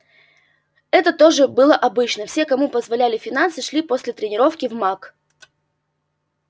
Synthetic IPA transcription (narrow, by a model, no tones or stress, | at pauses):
ɛt̪ət̪o̞ʐɨbɨlˠəʔɐbɨt͡ɕnəfsʲe̞kɐmupəzvɐlʲælʲɪfʲɪn̪ansɨʂlʲipo̞sʲlʲɪt̪ɾʲɪnʲɪɾo̞fkʲɪvmak